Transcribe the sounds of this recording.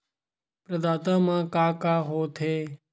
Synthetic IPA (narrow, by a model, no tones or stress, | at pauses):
pɾəd̪aːt̪ãːmãːkaːkaːɦoːt̪ʰeː